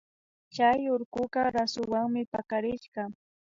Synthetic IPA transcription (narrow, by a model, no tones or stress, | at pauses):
t͡ʃajʊɾkʊɢɑɾasʊwaŋmɪpakaɾɪʃɢɑ